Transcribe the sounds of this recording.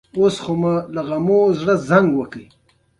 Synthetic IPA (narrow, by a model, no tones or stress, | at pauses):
osχomalaɣamozɽəzaŋɡwəkəj